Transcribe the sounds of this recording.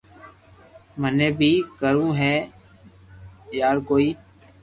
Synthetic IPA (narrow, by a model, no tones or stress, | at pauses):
məneːbʱiːkəɾũːɦɛː | jaːɾkoːiː